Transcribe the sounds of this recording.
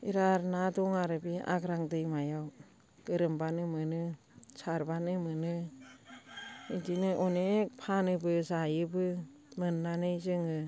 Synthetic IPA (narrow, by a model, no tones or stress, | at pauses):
iɾaɾnadɔŋaɾɯbia̰ɡɾaŋdɯjmajaw | ɡ̥ɯɾɯmbanɯmɯnɯ | saɾbanɯmɯnɯ | ɯdinɯʔɔnekpʰanɯbɯzajɯbɯ | mɯnːanɯjzɯŋɯ